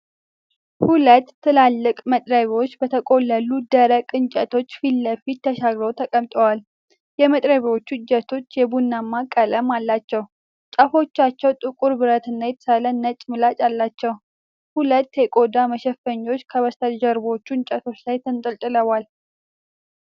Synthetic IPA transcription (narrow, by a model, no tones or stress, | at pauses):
hulət̪ːɨlalːɨkʼmət̪ʼɾəβiot͡ʃːbət̪ʰəkʼo̞lːəlud̪əɾəkʼɨnt͡ʃʼət̪ʰo̞t͡ʃːfilːəfit̪ʰːəʃaɡɾowt̪ʰəkʼəmt̪ʼəwal | jɛmət̪ʼɾəβiwo̞t͡ʃːud͡ʒɛt̪ʰo̞t͡ʃːjɛbunːamːakʼːələmalːat͡ʃːɛw | t͡ʃʼəfo̞t͡ʃːat͡ʃːɛwt̪ʼɨkʼuɾbɨɾət̪ɨnːajɛt̪ʰə̥salənːət͡ʃʼmɨlat͡ʃʼalːat͡ʃːɛw | hulət̪ːjɛkʼo̞d̪aməʃɛfːəɲːo̞t͡ʃːkʰəβəst̪ʰəd͡ʒəɾbo̞t͡ʃːuɨnt͡ʃʼət̪ʰo̞t͡ʃːlajt̪ʰɨnt̪ʼɨlt̪ʼɨləwal